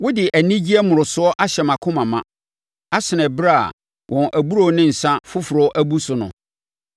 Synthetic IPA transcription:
wʊ˦dɪ˨ʔæ˨nĩ˦d͡ʑi˦ɛ˦mʊ̃˨ɾʊ˨sʊ˦ɔ˦ʔa˦ɕɛ˨mã˨kʰʊ̃˦mã˨mã̰˨ | a˦sɪ˨nɛ̃˨bɾa̰˦˨ | wʔɔ̃˨nʔæ˨bu˦ɾo˨˦nɪ̃˦n̩˨sã˦fʊ˦fʊ˨ɾɔ˨˦ɔ˦ʔæ˦bu˦sʊ˨nʊ̰̃˨

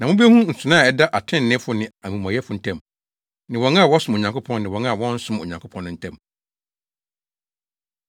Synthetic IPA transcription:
nã˨mʊ̃˦be˦hũ˦n̩˨sʊ˨nã˦˨ɛ˦da˦ʔa˨tʰɪ̃˦n̩˨nɪ̃˦fʊ˦nɪ̃˨a˨mĩ˨m˨ã˨jɛ˦fʊ˨˦n̩˨tʰɛ̃˦˨m | nɪ̃˨wɔ̃˨˦ŋã˦˨wɔ˦sʊ̃˦mo˨ɲã˨ŋkʰo˦pʰɔ̃˦nnɪ̃˨wɔ̃˨ŋ˦˨wɔ̃˦n̩˦sʊ̃˦mo̰˨ɲã˨ŋkʰʊ˦pʰɔ̃˦nːʊ̃˦n̩˦tʰɛ̃˦˨m

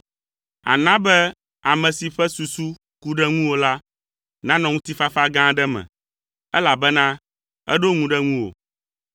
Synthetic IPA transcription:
a̰˨nã˦bɛ˦ | a˨mɛ̃˨si˨ɸɛ˦su˨su˦ | ku˦ɖɛ˦ŋũ˦wo˨la˦ | nã˦nɔ̃˨ŋũ˦t̪i˦fa˦fa˦ɡã˦ɖɛ˦mɛ̰̃˨ | ɛ˦la˨bɛ˦nã˦ | ɛ̰˦ɖo˦ŋũ˦ɖɛ˦ŋũ˦wo̰˨

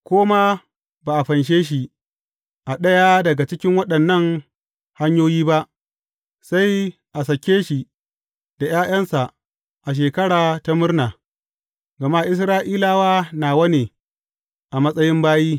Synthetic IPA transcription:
kʷoː˦ma˦ | baː˨ʔa˨ɸɐ˨nʃ̬eː˦ʃ̬i˨ | ʔa˨ɗɐ˦jaː˦dɐ˨ɡa˨t͡ʃɪ˦kʲɪ˦ŋwɐ˦ɗɐ˨nːɐ˦ŋ | ha˦ɲjoː˦jiː˦ba˦ʔ | sa˦j | ʔa˨s̬ɐ˨kʲːeː˦ʃi˨ | d̥a˨j̰aː˦j̰ɐ˦nsa˨ʔ | ʔa˨ʃ̬eː˨kɐ˦ɽaː˨ta˦mʊ˦rnaː˨ | ɡɐ˨ma˦ʔɪ˦s̬ɾaː˦ʔiː˦laː˦waː˦naː˨wɐ˦neː˨ | ʔa˨mɐ˦sʼɐ˦jɪ˦mbaː˦jiː˦

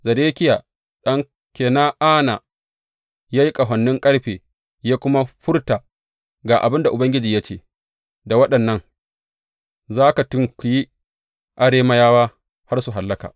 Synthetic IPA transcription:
zɐ˨deː˦kʲɪ˦jaː˨ | ɗɐ˦ŋ | kʲeː˨na˦ʔaː˦na˨ | jaː˦ji˦kʼɐ˨ɦɐ˨nːɪ˦ŋkʼɐ˦ɽɸeː˨ | jaː˦kʷʊ˦ma˦ɸʊ˦rta˨ | ɡaː˨ʔa˨bɪ˦nda˨ʔʊ˨bɐ˦ŋɡʲɪ˦d͡ʒiː˨ja˦t͡ʃeː˦˨ | da˨wɐ˦ɗɐ˨nːɐ˦ŋ | zaː˦ka˨tʊ˦ŋkʷu˨ji˦ | ʔa˨ɽeː˦ma˦jaː˦waː˦ | ha˦rsu˨ɦa˨lːɐ˦ka̰ː˨

